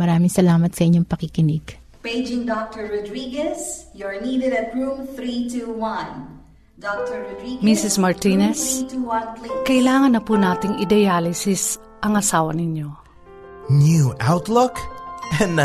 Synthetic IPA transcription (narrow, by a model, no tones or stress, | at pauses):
mɐɾaːmɪŋsɐlaːmɐt̪sɐʔɪɲːoŋpɐkikɪnɪɡ | peɪd͡ʒɪ̃ŋdɔk̚təɹɹɔdɾiɡɛsjɔɹniːdɛdɛt̪ɹũmθɾituwãn | dɔk̚təɹɹɔdɾiɡmisɪsmɐɹt̪inɛstuwãnklkɐʔɪlaːŋɐnːɐpunaːt̪ɪŋɪd̪ɐjaːlɪsɪs | ʔɐŋɐsaːwɐnɪɲjo̞ | njuʔawt̪lokɛ̃n